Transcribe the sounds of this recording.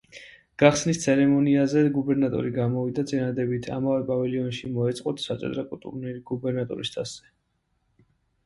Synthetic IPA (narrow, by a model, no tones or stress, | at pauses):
ɡ̥aχsnist̪sʰɛɾɛmɔniazɛɡubɛɾnat̪ʼɔ̰ɾiɡamɔvid̪at̪sʼinad̪ɛbit̪ʰa̰mavɛpʼavɛliɔnʃimɔɛt̪sʼqʼɔt̪ʰsat̪sʼɛ̰d̪ɾakʼult̪ʼṵɾnɛliɡubɛɾnat̪ʼɔ̰ɾist̪ʰasz̥ɛ